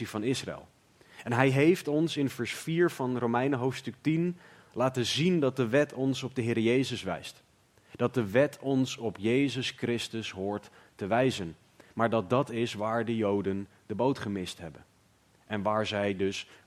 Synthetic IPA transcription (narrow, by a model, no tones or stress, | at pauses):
ivɑnɪsra̰ɛ̰lˠ | ɛnɦɛjɦejftɔnsɪnvɛɹsfiːɹv̥ɑnrowmɛjnəɦowftstɵk̚tin | laːtəzindɑt̚dəʋɛtʰɔnsɔb̚dəɦɪːɾəjejzəsʋɛ̰jst | d̥ɑt̚dəʋɛtʰɔnsɔpjejzəskrɪstəsɦʊːɹtː | əʋɛjzən | maːɹdɑt̚dɑtɪsʋaːɹdəjowdən | dəbowtχəmɪstɦɛbən | ɛnʋaːɹzɛjdɵs